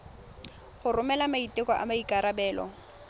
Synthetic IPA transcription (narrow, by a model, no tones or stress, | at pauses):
χʊrʊmɛlamaitʼɪkɔʔa̰maikʼaɾabɛːlɔ̰